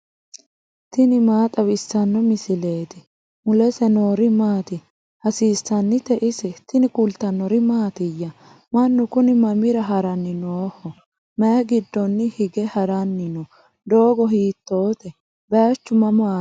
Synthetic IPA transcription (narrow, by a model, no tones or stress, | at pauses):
t̪ɪnɪmaːt̪ʼɐwɪsːɐnːɔmɪsɪle̞ːt̪ɪ | mʊlɛsɛnoːɾɪmaːt̪ɪ | hɐsiːsːɐnːɪt̪ɛʔɪsɛt̪ɪnɪkʼʊlt̪ɐnːɔɾɪmaːt̪ɪjːɐ | mɐnːʊkʊnɪmɐmɪɾɐɦɐɾɐnːɪnoːhɔ | mɛjɐɡɪd̪ːɔnːɪhɪɡɛhɐɾɐnːɪnɔ | d̪o̞ːɡɔɦiːt̪ːoːt̪ɛ | bɛat͡ʃːʊmɐmaː